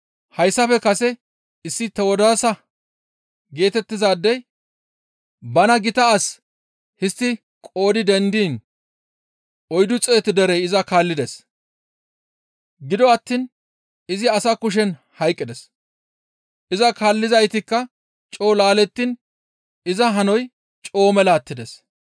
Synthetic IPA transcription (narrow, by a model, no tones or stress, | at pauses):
hɐjsːɐfɛkɐsɛ | ɪsːɪt̪ːɐwɔd̪asɐ | ɡe̞ːt̪ɛt̪ːɪzaːd̪ːɛj | bɐnɐɡɪt̪ɐːs | hɪst̪ːɪ | kʼo̞ːd̪ɪd̪ɛnd̪iːn | ɔjd̪ʊt͡sʼeːt̪ːɪd̪ɛɾɛjɪzɐkaːlːɪd̪ɛs | ɡɪd̪ɔɐt̪ːiːn | ɪzɪɐsakʊʃ̬ɛn | hɐjkʼːɪd̪ɛs | ʔɪzɐkaːlːɪzɐjt̪ɪkːɐ | t͡ʃʼo̞ːlaːlɛt̪ːiːn | ɪzɐɦɐnɔj | t͡ʃʼo̞ːmɛlaːt̪ːɪd̪ɛs